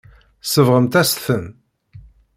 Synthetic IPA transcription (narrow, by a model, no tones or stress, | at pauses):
səvʁəmt̪æsθəm